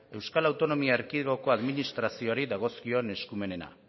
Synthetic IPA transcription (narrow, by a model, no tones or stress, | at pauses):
e̞wskalawt̪o̞no̞miaːɾkiɣo̞ko̞aðminist̪ɾasio̞aɾiðaɣ̞o̞skio̞ne̞skume̞ne̞na̰